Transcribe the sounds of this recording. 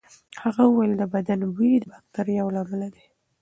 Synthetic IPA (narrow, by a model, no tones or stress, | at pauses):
haɣauwajld̪əbad̪anbiid̪əbak̚t̪aɾjawlɑmalad̪e